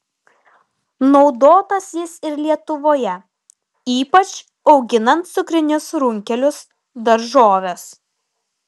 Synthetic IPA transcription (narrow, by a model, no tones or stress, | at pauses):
nɒʊd̪oːt̪ɐsjɪsɪɾlʲiɛt̪ʊʋoːjɛ | iːpɐt͡ʃ | ɒʊɡʲɪnɐnt̪̚sʊkɾʲɪnʲʊsɾʊŋʲkʲɛlʲʊs | d̪ɐɾʒoːʋʲes